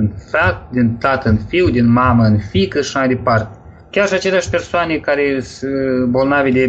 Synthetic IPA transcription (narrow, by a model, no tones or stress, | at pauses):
ɨnfat̪̚d̪int̪at̪əɨnfiwd̪inmaməɨnfikəʃamajd̪epart̪ʲ | kʲarʃiat͡ʃelʲeaʃpe̞rsoanʲekaɾesbolˠnavʲed̪e